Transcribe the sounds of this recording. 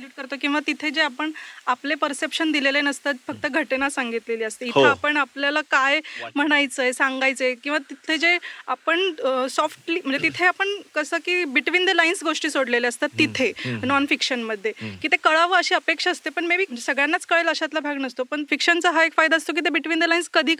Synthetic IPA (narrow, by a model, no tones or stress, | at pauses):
luʈ̚kəɾt̪okĩw̃ʋat̪it̪ʰed͡ʑeapəɳaplepəɾsepɕənd̪ilelenəst̪at̪fək̚t̪əɡʱəʈenasaŋɡit̪leliːəst̪eiaapəɳapljalakajm̤əɽ̃ajt͡səjsãŋɡajt͡səekĩw̃ʋat̪it̪ʰed͡ʑeapəɳsɔfʈliməɳd͡zet̪it̪ʰeapəɳkəsəːkiːbiʈʋind̪elainsɡoʂʈiːsoɽleleəst̪at̪ːit̪ʰenɔnfikɕənməd̪ʱːjekiːt̪ekəɭaʋəəɕiːəpekʂaːst̪epəɳmibiːəd͡ʑesəɡɭjanːat͡skəɭeləɕat̪labʱaɡnəst̪opəɳfikɕənt͡səɦaekfajd̪aəst̪ok̬iːt̪̬ebiʈʋind̪elainskəd̪ʱiː